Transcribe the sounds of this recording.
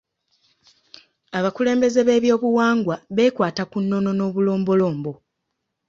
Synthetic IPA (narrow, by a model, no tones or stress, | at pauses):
aβakule̞ːmbe̞ze̞βe̞ːβjo̞ːβuwaːŋɡwaβe̞ːkwaːtakunːo̞no̞no̞ːβulo̞ːmbo̞lo̞ːmbo̞